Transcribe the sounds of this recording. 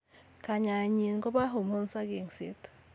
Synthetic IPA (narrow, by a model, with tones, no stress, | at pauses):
ka˨ɲa˨ɲi˨n˦ɡo˦ba˦ɦo˨mo˦n˦sa˦ɡe˨ŋsḭ˦t